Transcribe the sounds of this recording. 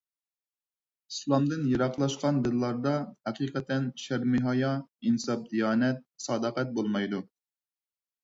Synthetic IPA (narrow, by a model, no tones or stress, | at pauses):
islˠɑmd̪ɨnjeɾɑqlˠɑʃqɑnd̪ɨlˠːɑɾd̪ɑhɛqiːqɛt̪ɛnʃæɾmɪɦɑjɑinsɑp̚d̪ijɑːnɛt̪̚sɑːd̪əqɛt̪̚bolˠmɑjd̪u